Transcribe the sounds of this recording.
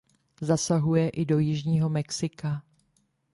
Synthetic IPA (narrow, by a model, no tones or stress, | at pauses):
zasaɦujɛʔɪdo̞jɪʒɲiːɦo̞mɛksɪka